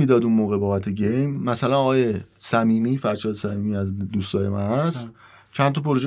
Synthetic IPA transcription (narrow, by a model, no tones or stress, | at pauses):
iːd̪ɒːd̪unmoːɣe̞bɒːbæt̪ʰe̞ɟejmmæsælænɒɣɒːje̞sæmiːmiːfæɾʃɒːd̪esæmiːmiːæzd̪uːst̪ɒːje̞mæ̰nhæst̪ | t͡ʃʰænt̪ʰɒpʰoɾoʒe